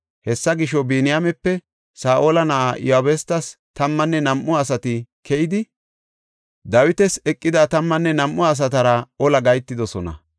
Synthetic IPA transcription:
hɛsːɐɡɪʃɔbeːnɪjamɛpːɛ | saːʔoːlɐnɐʔajohabest̪ɐst̪ɐmːɐnːɛnɐmʔːʊɐsɐt̪ɪkʰɛjɪd̪ɪ | d̪ɐwɪt̪ɛsɛkʼːɪd̪at̪ɐmːɐnːɛnɐmʔːʊɐs̬ɐt̪̬ɐɾɐɔlɐɡɐjt̪ːɪd̪ɔsɔnɐ̰

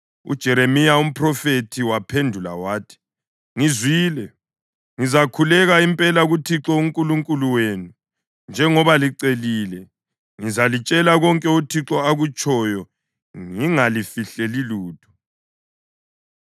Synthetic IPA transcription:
ṵd̥ʒ̥ʱɛɾemijaum̩pʰrɔfetʰiwapʰendʱula̰waːtʰi̥ | ŋizwiːlɛ | ŋizakʰulɛɣaimpʼɛlaɣutʰiǁɔuŋkʼuluŋkʼuluwenu | nd͡ʒʱɛŋɔβaliǀeliːlɛ | ŋizalit͡ʃʼɛlaɣɔŋkʼɛutʰiǁɔaɣut͡ʃʼɔjɔ | ŋiŋalifiɬeliluːtʰu̥

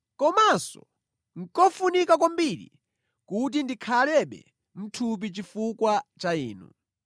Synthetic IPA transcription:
kɔmasɔ̰ | ŋ̩kɔfunikak̬ɔmbiɾḭ | kut̬indikʰalɛɓɛ̰ | m̩tʰup̬it͡ʃifukwat͡ʃaiːnṵ

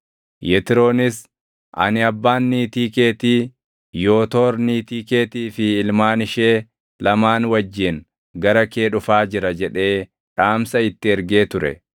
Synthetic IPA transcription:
jɛt̪ɪɾo̞ːnɪs | ʔɐ̰nɪɐbːaːnːiːt̪iːke̞ːt̪iː | jo̞ːt̪o̞ːɾniːt̪iːkeːt̪iːfɪːlmaːnɪʃe̞ː | lɐmaːnwɐd͡ʒːɪn | ɡɐɾɐke̞ːᶑʊfaːd͡ʒɪɾɐd͡ʒɛᶑe̞ː | ᶑaːmsɐɪt̪ːɪɛɾɡe̞ːt̪ʊɾɛ̰

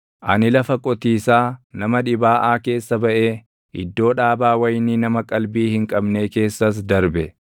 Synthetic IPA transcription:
ʔɐnɪlɐfɐkʼɔt̪iːsaːnɐmɐᶑɪbaːʔaːke̞ːsːɐbɐʔe̞ː | ʔɪd̪ːo̞ːᶑaːbaːwɐjniːnɐmɐkʼɐlbiːhɪŋkʼɐbne̞ːke̞ːsːɐs̬d̪ɐɾbɛ

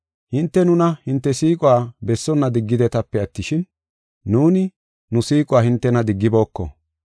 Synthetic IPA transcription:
hɪnt̪ːɛnʊnɐhɪnt̪ːɛsiːkʼʊwaːbɛsːɔnːɐd̪ɪɡːɪd̪ɛt̪ɐpːɛɐt̪ːɪʃɪnː | uːnɪ | nʊsiːkʼʊwaːhɪnt̪ːɛnɐd̪ɪɡːɪbo̞ːkːɔ̰

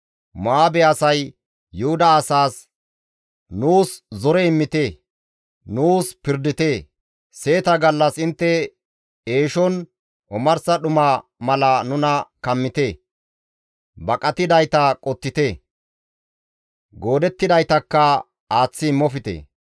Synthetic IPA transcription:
maːbɛɐsɐjː | ʊhʊd̪ɐːsaːs | nuːszɔɾɛɪmːɪt̪eː | nuːspɪɾd̪ɪt̪eː | se̞ːt̪ɐɡɐlːɐsɪnt̪ːɛ | e̞ːʃɔn | ʔɔmɐɾsɐɗʊmɐmɐlɐnʊnɐkɐmːɪt̪eː | bɐkʼɐt̪ːɪd̪ɐjt̪ɐkʼɔt̪ːɪt̪eː | ɡo̞ːd̪ɛt̪ːɪd̪ɐjt̪ɐkːɐ | aːt͡sːɪːmːɔfɪt̪ḛː

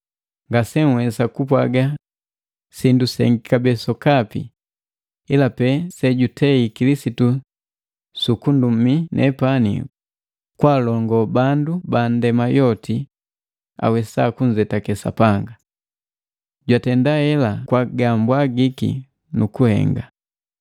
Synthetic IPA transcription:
ŋɡasɛŋwɛsakupwaɡa | sindusɛ̰ŋɡikabɛsɔkapḭ | ilapɛsɛɟutʰɛikilisitu | sukundum̩minʔɛ̰panḭ | kwalɔŋɡɔbandubandɛmajɔti | a̰wɛsakuɲd͡ʒɛtakɛsa̰paŋɡa | ɟwatɛndahɛlakwaɡambwaɡikḭ | nukuhɛ̰ŋɡa

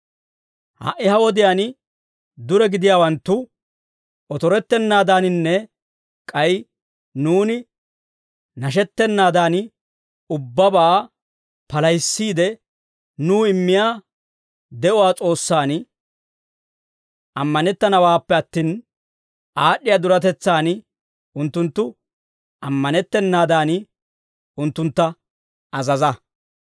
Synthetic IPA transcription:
ha̰ʔɪhɐwɔd̪ɪjaːn | d̪ʊɾɛɡɪd̪ɪjaːwɐnt̪ːʊ | ɔt̪ɔɾɛt̪ːɛnːaːd̪aːnɪnːɛ | kʼɐj | nuːnɪ | nɐʃ̬ɛt̪ːɛnːaːd̪aːn | ʊbːɐbaː | pɐlɐjsːiːd̪ɛ | nuːɪmːɪjaː | d̪ɛʔʊwaːt͡sʼo̞ːsːaːn | ɐmːɐnɛt̪ːɐnɐwaːpːɛɐt̪ːiːn | ʔaːɗːɪjaːd̪ʊɾɐt̪ɛt͡sːaːn | ʊnt̪ːʊnt̪ːʊ | ɐmːɐnɛt̪ːɛnːaːd̪aːn | ʊnt̪ːʊnt̪ːɐ | ɐzɐzɐ

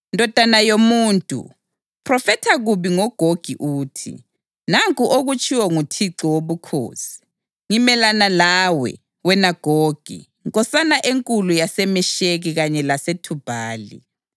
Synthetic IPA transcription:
ndʱɔd̥ʱanajomuːntʼṵ | pʰrɔfɛtʰaɣuβiŋɔɡ̥ʱoɡ̥ʱiʔuːtʰḭ | naŋkʼuʔoɣut͡ʃʼiwɔŋutʰiǁɔwoβukʰo̰ːsi̥ | ŋimɛlanalawɛ̰ | wɛnaɡ̥ʱoːɡ̥ʱḭ | ŋkʼɔsanaʔeŋkʼulujasɛmɛʃeɣiɣaɲɛlasetʰub̥ʱaːlḭ

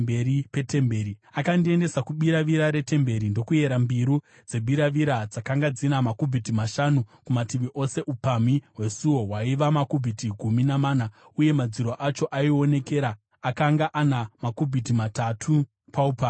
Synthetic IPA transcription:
beɾipe̞te̞mbeːɾiakandie̞nde̞sakuɓiɾaʋiɾaɾe̞te̞mbe̞ɾindo̞kuje̞ɾambiɾu | d͡zeɓiɾaʋiɾad͡zakaŋɡad͡zinamakubʱitimaʃanukumatiʋiʔo̞se̞ʔupamiɦwe̞suwo̞waiʋamakubʱitiɡʱuminamaːna | uje̞mad͡ziɾoʔat͡ʃo̞ʔaio̞ne̞ke̞ɾaː | kaŋɡaʔanamakubʱit̬imatatʰu | pʰaupami

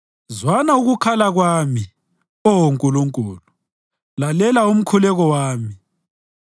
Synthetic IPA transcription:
zwanauɣukʰalaɣwami | ɔwoŋkʼuluŋkʼuːlu | lalɛlaum̩kʰulɛɣɔwaːmi

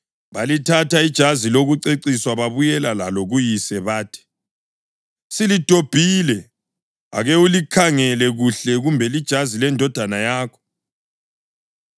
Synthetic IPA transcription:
βalitʰataid̥ʒ̥ʱaziloɣuǀeǀiswaβaβujɛlalaloɣujisɛβaːtʰi̥ | silid̥ʱob̥ʱilɛ | a̰ɣeulikʰaŋɛlɛɣuɬɛɣumbʱɛlid̥ʒ̥ʱazilɛndʱɔd̥ʱanajaːkʰɔ̥

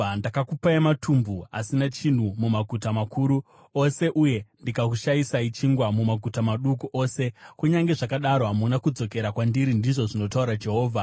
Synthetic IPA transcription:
ndakakupaematʰumbua̰sinat͡ʃin̤umumaɡʱutamakʰuɾu | o̞se̞ʔuje̞ndikak̬uʃajisait͡ʃiŋɡwamumaɡʱutamaɗukuʔo̞ːse̞kuɲaŋɡe̞ʐakaɗaɾoɦamunakud͡zo̞ke̞ɾakwandiɾindiʐo̞ʐino̞tauɾad͡ʒe̞ɦo̞ːvʱa

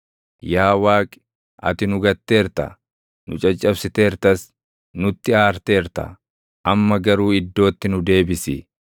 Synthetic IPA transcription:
jaːwaːkʼɪ̥ | ɐ̰t̪ɪnʊɡɐt̪ːe̞ːɾt̪ɐ̰ | nʊt͡ʃʼɐt͡ʃʼːɐbsɪt̪e̞ːɾt̪ɐs | nʊt̪ːɪaːɾt̪e̞ːɾt̪ɐ̰ | ʔɐmːɐɡɐɾuːɪd̪ːo̞ːt̪ːɪnʊd̪e̞ːbɪsɪ̰

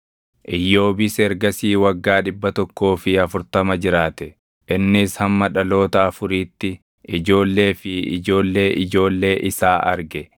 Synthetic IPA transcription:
ʔɪjːo̞ːbɪsɛɾɡɐsiːwɐɡːaːᶑɪbːɐt̪ɔkːo̞ːfɪɐfʊɾt̪ɐmɐd͡ʒɪɾaːt̪ɛ | ʔɪnːɪshɐmːɐᶑɐlo̞ːt̪ɐːfʊɾiːt̪ːɪ | ɪd͡ʒo̞ːlːe̞ːfɪɪ̰d͡ʒo̞ːlːe̞ːʔɪd͡ʒo̞ːlːe̞ːʔɪsaːʔɐ̰ɾɡɛ

